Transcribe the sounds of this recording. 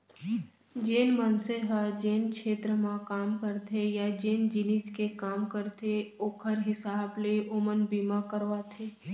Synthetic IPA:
d͡ʒeːnmənseɦad͡ʒeːnkʃeːt̪ɾəmãkaːmkəɾt̪ʰejad͡ʒeːnd͡ʒɪnɪskekaːmkəɾt̪ʰeoːkʰəɾɦɪsaːbleʔʊmənbiːmakəɾʋat̪ʰeː

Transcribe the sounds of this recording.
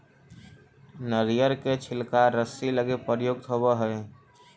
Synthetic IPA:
nəɾijəɾket͡ʃʰɪlkaɾəsiləɡepəɾjoːɡ̚t̪ʰobeɦəe

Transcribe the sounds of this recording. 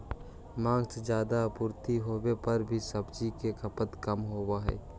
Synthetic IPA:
mãːŋɡsd͡ʒjaːd̪apʊɾt̪iɦoːwepəɾbʱisəbt͡ʃikekəpət̪kəmɦoːbaɦɛ̰ː

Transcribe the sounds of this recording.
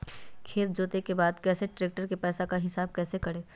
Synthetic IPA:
kʰeːt̪̚d͡ʒoːt̪ekebaːd̪kɛːseʈɾeːk̚ʈəɾkepɛːsakaɦɪsaːb̚kɛːsekɐɽeː

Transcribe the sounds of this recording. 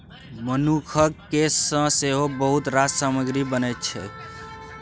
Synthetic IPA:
mənukʰəkkesːə̃seɦobəɦut̪ɾad͡ʒsaməɡɾibənɛt̪̚t͡ʃʰɛ̰

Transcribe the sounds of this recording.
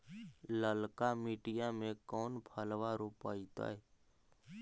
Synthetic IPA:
ləlkamiːʈɪjamẽkɔːnpʰəlʋaɾupa̰ːit̪a̰ːɛ

